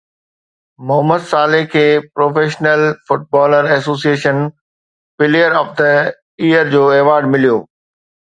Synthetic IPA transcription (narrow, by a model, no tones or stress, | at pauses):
mʊɦəməd̪saːlɪɦkʰeːpɾoːfeːʃnəlfʊʈ̚bɔːləɾɛsoːsieːʃən | fɪlijəɾɔːfd̪ə | iːəɾd͡ʑoːeːʋaːɾɖmɪlijoː